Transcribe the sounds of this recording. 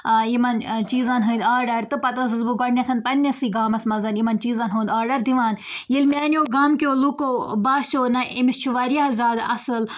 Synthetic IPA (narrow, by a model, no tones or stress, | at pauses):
jimɐnt͡ʃiːzanɦɨ̃ːnd̪aːɾɖɐɾʲt̪ɨpɐt̪ɐzɨzbɨɡɔʈnʲɐt̪ʰɐnpɐnʲːɐsiːɡaːmɐsmɐzɐnimɐnt͡ʃiːzɐnɦõːnd̪aːɾɖɐɾd̪iʋaːn | jilmʲɛːnʲjoːɡaːmkʲoːlukoːbaːst͡ʃʰoːnɐʔimist͡ʃʰuʋaɾijazaːd̪ɐ̰sɨl